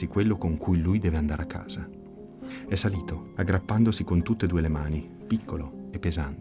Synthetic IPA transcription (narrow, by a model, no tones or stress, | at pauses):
ikwelːokoŋkujlujd̪ɛːveand̪aɾeakːa̰ːz̥a | ɛsːaliːt̪oaɡːɾapːand̪osikont̪ut̪ːed̪uːelemaːni | pikʰːoloepːezant̪e